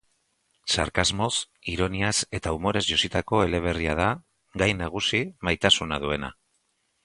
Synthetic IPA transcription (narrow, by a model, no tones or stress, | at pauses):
sa̰ɾkazmo̞s | iɾo̞niase̞t̪aumo̞ɾe̞zʝo̞sit̪ako̞e̞le̞β̞e̞riað̞a | ɡajnaɣ̞usimajt̪asunaðue̞na̰